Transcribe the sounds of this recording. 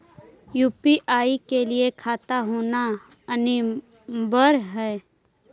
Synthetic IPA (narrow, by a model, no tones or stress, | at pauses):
juːpiʔaːikeliekʰaːt̪aɦoːna | ɐni | bəɾɦɛː